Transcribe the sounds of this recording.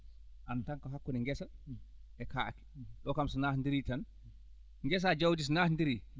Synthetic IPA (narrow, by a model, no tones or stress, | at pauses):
ʔantaŋkɔɦakːunɛŋɡɛsaʔɛkaki̥ɗɔkamsɔnahndiɾitan | ŋɡɛs̬ad͡ʒawdis̬naːhndiɾi